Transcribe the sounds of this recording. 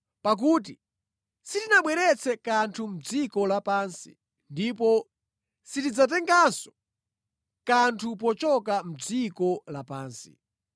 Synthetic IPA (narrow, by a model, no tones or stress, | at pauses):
pak̬uːt̬i | sitinaɓwɛɾɛt͡sʰɛkantʰum̩d͡zikɔlapaːnsḭ | ndip̬ɔ | sitid͡zat̬ɛŋɡansɔ̥ | kantʰup̬ɔt͡ʃɔkam̩d͡zikɔlapaːnsḭ